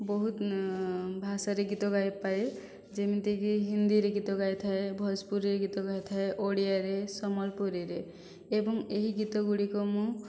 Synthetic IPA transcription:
bɔɦut̪ | bʱasaɾeɡit̪ɔɡajpaj | d͡ʒemit̪ekiɦind̪iɾeɡit̪ɔɡajt̪ʰaebʱɔspuɾɾeɡit̪ɔɡajt̪ʰaeʔoɽijaɾesɔmɔlpoɾiɾe | ebɔŋeɦiɡit̪ɔɡuɽikɔmũ

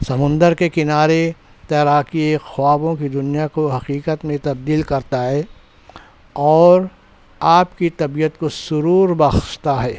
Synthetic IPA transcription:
sɐmʊ̃nd̪əɾkekɪnaːɾe | t̪ɛːɾaːkiexaːbõkid̪ʊnijakoɦɐqiːqət̪mẽt̪ɐb̚d̪iːlkɐɾt̪aɦɛː | ɔːɾ | aːpkit̪ɐbijət̪kosʊɾuːɾbɐxʃt̪aɦɛː

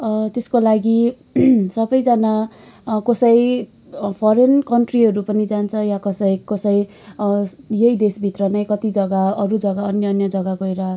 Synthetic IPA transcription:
t̪eskolaɡi | sʌbʌjd͡zʌna | kʌsʌj | pʰʌɾenkʌɳʈriɦʌɾupʌnid͡zant͡sʰʌjakʌsʌjkʌsʌj | jejd̪esbʱit̪rʌnajkʌt̪id͡zʌɡaʌɾud͡zʌɡaʌnjʌːnjʌd͡zʌɡaɡʌjɾʌ

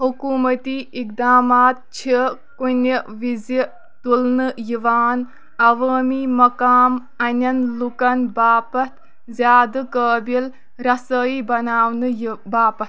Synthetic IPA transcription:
ɦukuːmɐt̪iːik̚d̪aːmaːt̪̚t͡ʃʰikunʲiʋizi | t̪ulnɨjiʋaːn | ɐʋəːmiːmɐkaːm | ɐnʲɐnlukɐnbaːpɐt̪ʰ | zʲaːd̪ɨkəːbil | ɾɐsəiːbɐnaːʋnɨbaːpɐt̪

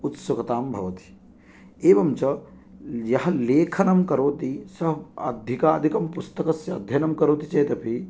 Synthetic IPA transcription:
ut̪sɐkɐt̪aːmbʱɐʋɐt̪i̥ | eːʋɐmt͡ʃɐ | jɐɦɐleːkʰɐnɐmkɐɾoːt̪isɐɦɐ̰d̪ʱikaːd̪ʱikɐmpust̪ɐkɐsjɐɐ̰d̪ʱjɐnɐmkɐɾoːt̪it͡ʃɐjt̪ɐpi

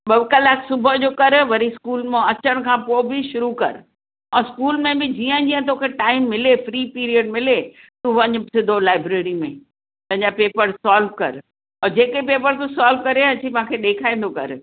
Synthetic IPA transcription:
ɓɐʋkəlaːksʊbʱəd͡ʑoːkɐɾʋɐɾiskuːlmẽɐt͡ɕəɽ̃kʰãːpoːɪbɪʃʊɾukɐ̰ɾ | ɛ̃ːskuːlmẽbɪd͡ʑiːə̃d͡ʑiːə̃t̪̬oːkʰeʈaːɪmːɪlefɾiːpiːɾiəɖmɪle | t̪ũʋɐɲʊ̆sɪd̪ʱolaːɪbɾeːɾimẽ | t̪ɐ̃ɦɪ̃ɲd͡ʑapeːpəɾsaːlʋkɐ̰ɾ | ɔːd͡ʑeːkepeːpəɾt̪usaːlʋkɐɾeɐt͡ɕʰimãːkʰeɗeːkʰaːĩːn̆d̪okɐ̰ɾ

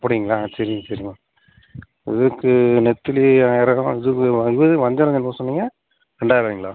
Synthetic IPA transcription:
ɐpːɐɽɪŋɡɐɭaːsɐɾɪŋɡɐsɐɾɪŋɡɐ | ɪ̰ðɯkːɯnɛt̪ːɪliaːjɪɾɐɐ̃ɪðɯkːɯɪʋɐðɯʋɐɲd͡ʒɐɾɐŋɐnpoːsɔnːiːŋɡɐ | ɾɛɳɖaːɪɾɐʋiːŋɡɐɭa̰ː

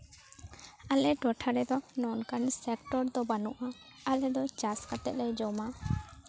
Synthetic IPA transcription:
alɛʈɔʈʰaɾɛd̪ɔnɔnkansɛkʈɔɾd̪ɔbanuʔa | alɛd̪ɔt͡ʃaskat̪ɛt̪̚lɛjd͡ʒɔma

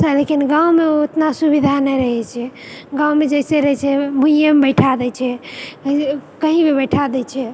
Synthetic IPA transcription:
səlekinɡãumeoet̪nasubid̪ʱanɛjɾəɦɛt͡ʃʰɛ | ɡãumed͡ʒɛɪseɾəɦɛt͡ʃʰɛmʱũjəmbəɪʈʰad̪ɛt͡ʃʰɛkəkəɦĩbebəjʈʰad̪ɛt͡ʃʰɛ

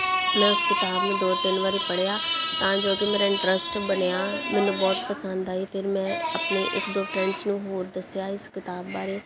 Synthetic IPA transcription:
mɛ̃ːʊskɪt̪aːbnũːd̪oːt̪ɪnʋaːɾiːpəɽjaːt̪ãːd͡ʒoːkeːmeːɾaːɪ̃ɳʈɾəsʈbənjaːmɛ̃ːnũːbɔːt̪pəsənd̪aːiːpʰɪɾmɛ̃ːəpneːʔɪ̰kd̪oːpʰɾɛ̃ɲt͡ʃnũːɦoːɾd̪əsjaːɪskɪt̪aːbbaːɾeː

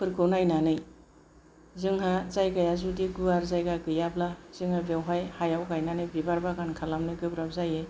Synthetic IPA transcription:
pʰɯɾkʰɯwnajnanɯj | zɯŋɦazajkajazudiɡuaɾzajɡakɯjablaz̥ɯŋhabewɦajhajawkajnanɯjbibaɾbaɡankʰalamnɯjkɯbɾabzaje

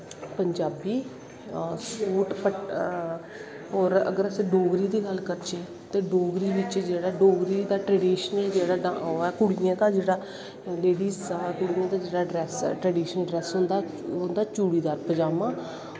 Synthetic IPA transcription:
pəɲd͡ʒaːbiː | suːʈpə | ɔːɾə̰ɡəɾəsẽːɖoːɡɾiːd̪iːɡəlkəɾt͡ʃeː | t̪eːɖoːɡɾiːʋɪt͡ʃd͡ʒeːɽaːɖoːɡɾiːd̪aːʈɾɛːɖiːʃəned͡ʒeːɽaːɖaɛːkʊɽijãːt̪aːd͡ʒeːɽaː | leːɽiːzkʊɽiːãːt̪aːd͡ʒeːɽaːɖɾɛːsʈɾɛːɖiːʃənɖɾɛːsɦʊ̃nd̪aː | ɦʊ̃nd̪aːt͡ʃuːɽiːd̪aːɾpəd͡ʒaːmãː

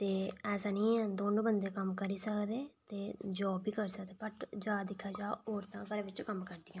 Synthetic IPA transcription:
t̪eːɛːsaːnĩːɛ̃ːd̪oːnõːbənd̪eːkəmkəɾiːsəkd̪eːt̪eːd͡ʒoːbiːkəɾsəkd̪eːpəʈd͡ʒaːd̪ɪkʰːaːd͡ʒaːoːɾt̪ãːkəɾːʋɪt͡ʃkəmkəɾd̪ɪjãː

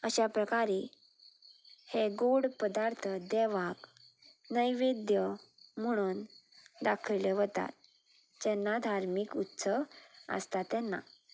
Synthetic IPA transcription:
əɕapɾəkaɾe | heɡoɽpəd̪aɾt̪ʰəd̪ɛʋak | nəjʋed̪jəm̤əɽ̃uːnd̪akʰəleʋət̪a̰t̪̚ | d͡ʑɛnːad̪ʱaɾmikut̪səə̰st̪at̪ɛnːa̰

